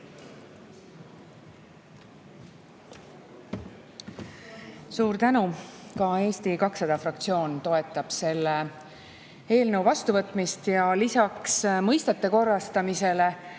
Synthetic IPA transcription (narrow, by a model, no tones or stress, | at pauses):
suːɾt̪ænukɑe̞ːst̪ikɑksɑd̪̥ɑfrɑkt̪sio̞ːnt̪o̞e̞t̪ːˑɑb̥se̞lːe | e̞ːlnəwvɑst̪uvɤt̪ːˑmist̪jɑlisɑksmɤjst̪et̪ːˑeko̞rːɑst̪ɑmise̞le